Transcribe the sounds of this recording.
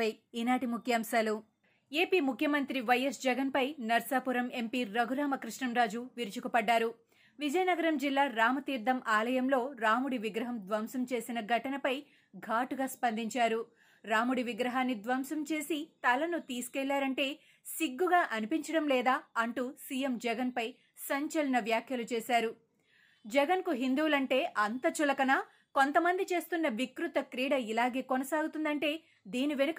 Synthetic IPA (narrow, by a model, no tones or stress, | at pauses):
ɐjinaːʈimukʰjɐːmʃaːlu | e̞ːpiːmukʰjɐmɐnt̪ɾiʋɐjɐsd͡ʒɛɡɐnpɐjnɐɾsaːpuɾɐme̞mpiːɾɐɡʱuɾaːmɐkɾiʂɳɐmɾaːd͡ʒuʋiɾt͡ʃukupɐɖːaːɾu | ʋid͡ʒɐjɐnɐɡɐɾɐmd͡ʒilːaːɾaːmɐt̪iːɾd̪ʱɐmʔaːlɐjɐmlo̞ːɾaːmuɽiʋiɡɾɐɦɐmd̪ʋɐmsɐmt͡ʃe̞ːsinɐɡʱɐʈɐnɐpɐj | ɡʱaːʈuɡaːspɐnd̪ʱiɲt͡ʃaːɾu | ɾaːmuɽiʋiɡɾɐɦaːnːid̪ʋɐmsɐmt͡ʃe̞ːsit̪ɐlɐnut̪iːsu̥kɛlːaːɾɐɳʈe̞ː | siɡːuɡaːʔɐnipiɲt͡ʃɐɽɐmlɛːd̪aːɐɳʈuːsiːjemd͡ʒɛɡɐnpɐj | sɐɲt͡ʃɐlɐnɐʋjaːkʰjɐlut͡ʃɛːsaːɾu | d͡ʒɛɡɐnkuɦind̪uːlɐɳʈe̞ːʔɐnt̪ɐt͡ʃulɐkɐnɐ | ko̞nt̪ɐmɐnd̪it͡ʃe̞ːst̪unːɐʋikɾut̪ɐkɾiːɽɐilaːɡe̞ːkonɐsaːɡut̪und̪ɐɳʈe̞ː | d̪iːniʋenɐk